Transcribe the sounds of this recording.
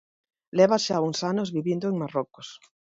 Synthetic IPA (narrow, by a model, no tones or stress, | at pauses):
leβaʃauŋsanozβiβjend̪oeŋmaroko̥s